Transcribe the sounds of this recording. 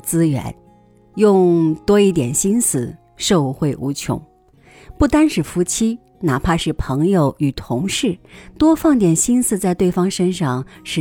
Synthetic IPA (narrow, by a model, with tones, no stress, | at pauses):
t͡sɹ̩˥ɥɛ̰˧˥n | jʊ˥˩˧ŋt̪wɔ˥i˥˩t̪̬jɛ˨˩nɕi˥nsɹ̩˥˩ | ʂo˥˧ʊu˥˧xwe˥˩ɪʔṵ˧˥t͡ɕʰjʊ̰˧˥ŋ | pu˥˩t̪a˥nʂɻ̩˥˩fu˧˥t͡ɕʰi˥ | na˨˩pʰa˥˧ʂɻ̩˥˩pʰɤ˧˥ŋjo˨˧˩ʊy˨˩t̪ʰʊ˧˥ŋʂɻ̩˥˩t̪wɔ˥fɑ˥˩ŋt̪jɛ˨˩nɕi˥nsɹ̩˥˧t͡sa˥˧ɪt̪we˥˩ɪfɑ˥ŋʂə˥nʂɑ˥˩ŋʂɻ̩˥˩